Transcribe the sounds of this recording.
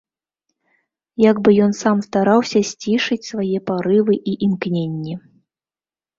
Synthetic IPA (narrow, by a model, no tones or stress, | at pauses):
jaɡbɨjɔn̪samst̪aɾawsʲɐsʲt͡sʲiʂɨt͡sʲsvajɛpaɾɨvɨʔiʔimknʲenʲːɛ